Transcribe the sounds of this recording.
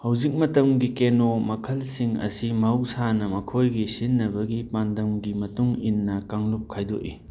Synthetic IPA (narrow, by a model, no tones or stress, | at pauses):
hɐwzik̚mɐtɐmɡikenomɐkʰɐlsiŋɐ̰simɐɦwsanɐmɐkʰojɡisinːɐbɐɡipandɐmɡimɐtuŋinːɐkaŋlup̚kʰajdo̰ʔḭ